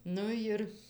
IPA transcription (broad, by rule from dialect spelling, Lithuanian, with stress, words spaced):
ˈnʊ jɪr